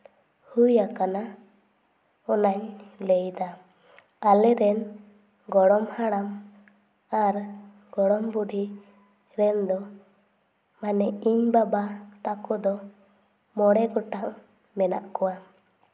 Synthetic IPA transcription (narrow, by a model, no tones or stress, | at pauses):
hujakana | ɔnaɲlɛjd̪a | alɛɾɛn | ɡɔɽɔmhaɽam | aɾ | ɡɔɽɔmbuɖi | ɾɛnd̪ɔ | manɛiɲbabat̪akɔd̪ɔ | mɔɽɛɡɔʈaʔ | mɛna̰ʔkɔwa